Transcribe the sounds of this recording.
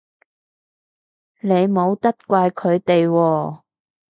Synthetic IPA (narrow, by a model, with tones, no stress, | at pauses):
ne˨˧jmo˨˧wt̪ɐ˥t̚kʷaː˧jkʰɵ˨˧ɥt̪e˨jwɔː˧